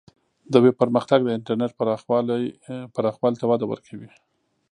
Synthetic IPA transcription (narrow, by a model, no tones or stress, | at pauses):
d̪əwepəɾməxt̪aɡ̚d̪əɪɳʈaɾneʈ̚palpaɾɑxwɑlt̪awɑd̪awə̰ɾkʰawi